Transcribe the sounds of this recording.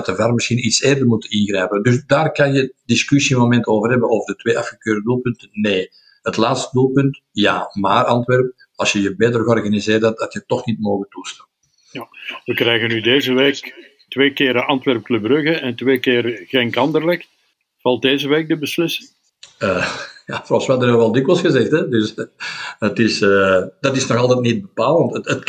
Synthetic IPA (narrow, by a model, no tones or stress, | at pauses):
təvarmɪsxinitseːrdərmutənɪnɣrɛjpəndʏsdaːrkɑnjədɪskysiəmomɛntoːvərɦɛbənoːvərdətwʋeːʔɑfxəkøːrdədulˠpʏntənneː | ɦətlaːtstədulˠpʏntjaːmaːrɑntʋɛrp̚ | ɑlˠsjəjəbeːtərɣəɔrɣanizɪːrdadɑtjətɔxnit̚moːɣəntustaː | ʋəkrɛjɣənydeːzəʋeːk | tʋeːkɪːɾəʔɑntʋɛrp̚klɵbrɵɣəɛntʋeːkɪːrɣeŋkɑndərlɛk | v̥ɑlˠdeːzəʋeːk̚dəbəslɪsɪŋ | əːjafrɔfsʋəɦɑdənəʋɛlˠdɪkʋəlˠsxəzɛxtɛdɵs | ətɪsədɑtɪsnɔxɑlˠtɛtnit̚bəpaːlˠəntətət